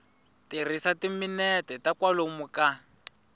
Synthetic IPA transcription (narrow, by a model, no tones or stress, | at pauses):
tir̤isatiminɛtɛtakwalomuka